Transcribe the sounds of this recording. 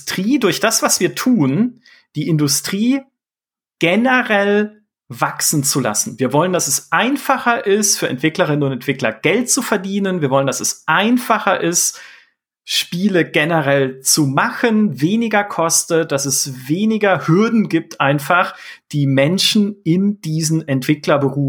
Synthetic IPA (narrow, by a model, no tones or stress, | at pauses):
tʁ̥iːdʊɐçd̥asv̥asv̥iːɐtʰuːn | d̥iːʔɪndʊstʁ̥iː | ɡ̥ɛnəʁɛl | vaksn̩t͡sula̰sn̩viːɐvɔləndasɛsʔaɪnfaχɐʔɪstfyːɐʔɛ̰ntv̥ɪklɐʁ̞ɪnənʊntɛntv̥ɪklɐɡ̥ɛlt̚t͡sufɛɐdiːnənviːɐvɔləndasɛsʔaɪnfaχɐʔɪst | ʃpiːləɡɛnəʁɛlt͡sumaχənveːnɪɡɐkʰɔstət̚d̥asɛsveːnɪɡɐhʏɐdn̩ɡiːp̚tʰʔaɪnfaχd̥iːmɛnʃn̩ɪnd̥iːzn̩ɛntv̥ɪklɐbəʁuː